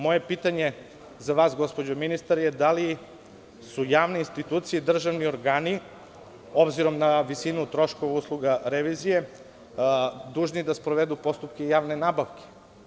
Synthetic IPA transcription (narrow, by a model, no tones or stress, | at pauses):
mo̞je̞pit̪aɲe̞ | zaʋaːsɡo̞spo̞d͡ʑominist̪aɾjed̪ali | sujaːʋneinst̪it̪uːt̪sijeid̪r̩ʒaʋnio̞ɾɡaːni | obziɾo̞mnaʋisinut̪ɾo̞ʃkoʋauslˠuɡaɾeʋizije̞ | d̪uːʒnid̪aspɾoʋed̪upo̞st̪up̚kejaːʋnenabaʋkʲe̥